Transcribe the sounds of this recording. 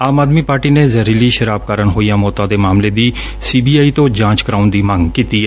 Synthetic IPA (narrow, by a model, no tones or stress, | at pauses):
aːmaːd̪miːpaːɾʈiːneːzəɾiliːʃəɾaːb̚kaːɾənɦoːijãːmɔːt̪ãːd̪eːmaːmleːd̪iː | siːbiːaːiːt̪õːd͡ʒãːt͡ʃkəɾaːʊnd̪iːməŋɡkiːt̪iːɛ